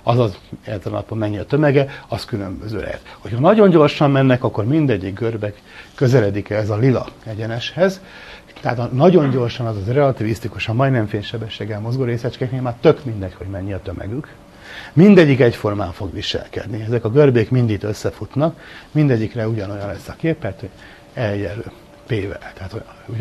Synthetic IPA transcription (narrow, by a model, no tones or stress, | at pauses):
ɒzɒzɛt̪ːɛl̰nɒ̰pommɛɲːiɒt̪ømɛɡɛɒskylømbøzø̰ːlɛ̰ɛ̰t̪ho̞chɒnɒɟo̞ɲɟo̞rʃɒmmɛnːɛkɒkːo̞rmind̪ɛɟːiɡɡørbɛkː | ø̞zɛlɛd̪ikɛɛzɒlilɒ̰ɛɟɛnɛʃhɛz | t̪ɛaːt̪ɒnɒɟo̞ɲɟo̞rʃɒnɒzɒzrɛɒt̪ivist̪ikuʃɒmmɒjd̪nɛɱfeːnʃɛbɛʃːeːɡːɛlmo̞zɡoɾeːsɛt͡ʃkɛkmemaːrt̪ø̞kmind̪ɛcho̞ɟmɛɲːiɒt̪ø̞mʔɛ̰ɡyk | mind̪ɛɟːikɛcfo̞rma̰ːɱfo̞ɡʋiʃɛ̰lkɛ̰d̪niɛzɛkɒɡørbeːkmind̪it̪øsːɛfut̪nɒkmind̪ɛɟːikrɛuɟɒno̞jɒnlɛsːɒkeːpːɛt̪ho | ɛljɛlø̰ː | peːvɛ̰lt̪ɛɦaːt̪o | u